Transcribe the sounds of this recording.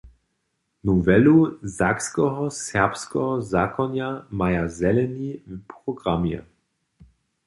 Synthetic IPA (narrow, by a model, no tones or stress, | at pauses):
nuvɛluzakskɔɦɔsɛɐpskɔɦɔzakɔnjamajazɛlɛnivpʁɔɡʁamjɛ̰